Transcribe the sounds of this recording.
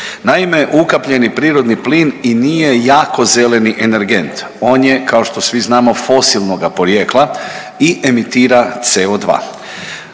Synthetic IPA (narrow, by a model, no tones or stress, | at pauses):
naimeʔukapʎe̞nipɾiːɾo̞d̪nipliːninije̞jaːko̞ze̞le̞niʔeneɾɡe̞nt̪ | o̞ːnje̞kao̞ʃt̪o̞sʋiznaːmo̞fo̞silˠnoɡapo̞ɾjeːklˠa | iʔemit̪iːɾat̪seod̪ʋa̰ː